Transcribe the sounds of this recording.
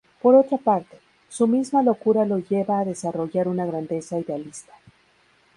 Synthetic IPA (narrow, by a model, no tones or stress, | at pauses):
po̞ɾo̞t̪ɾapaɾt̪e̥ | sumizmalo̞kuɾalo̞ʝe̞βaːðe̞saro̞ʝaɾunaɣ̞ɾand̪e̞saiðealist̪ḁ